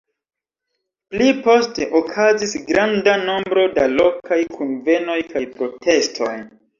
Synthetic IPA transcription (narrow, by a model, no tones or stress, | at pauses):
plipo̞ste̞ʔokʰazisɡɾandano̞mbɾo̞dalo̞kʰajkʰunve̞no̞jkʰajpɾo̞tʰe̞stʰo̞̰j